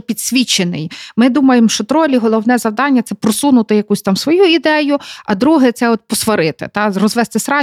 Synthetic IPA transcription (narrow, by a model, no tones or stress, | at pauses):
pʲid̪sʲʋʲit͡ʃːenɪjmɪd̪umɐjemʃt͡ʃɔt̪ɾɔlʲiɦɔlˠɔwnɛzɐwd̪ɑnʲːɐt̪sɛpɾɔsunʊt̪ɪjɐkusʲt̪ɑmsʋɔjuid̪ɛjʊɐd̪ɾuɦɛt̪sɛɔt̪̚pɔsʋɐɾɪt̪ɪ̰t̪ɑrɔzʋɛst̪ɪsɾɑ